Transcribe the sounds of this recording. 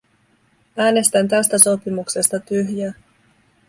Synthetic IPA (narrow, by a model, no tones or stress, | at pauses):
æːne̞st̪ænt̪æst̪æso̞pimukse̞st̪ɑt̪yɦjæː